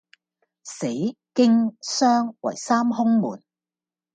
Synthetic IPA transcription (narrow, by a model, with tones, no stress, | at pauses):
se˨˥jkɪ˥ŋsœː˥ŋwɐ̰˨˩jsaː˥mhʊ˥ŋmṵː˨˩n